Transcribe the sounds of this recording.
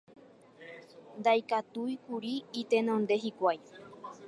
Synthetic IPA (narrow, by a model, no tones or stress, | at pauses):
nd̪ajkat̪ujkuɾiːt̪e̞nõnd̪e̞ɦikʷaj